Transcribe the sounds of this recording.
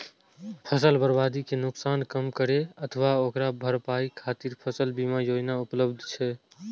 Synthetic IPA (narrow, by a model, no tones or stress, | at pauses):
pʰəsəlbəɾbad̪ikenʊksankəmkəɾeət̪ʰəʋaokɾabʱəɾpaikʰat̪iɾpʰəsəlbimajod͡ʒnaupləbd̪ʱt͡ʃʰɛ